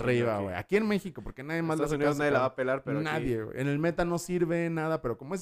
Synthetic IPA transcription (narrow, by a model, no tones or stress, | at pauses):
riβawḛja̰kienme̞xiko̞po̞ɾkenaðjemazlasunioaðjelaβapelaɾpeɾnaðjewḛʔene̞lme̞t̪ano̞siɾβenaðape̞ɾo̞komoes̬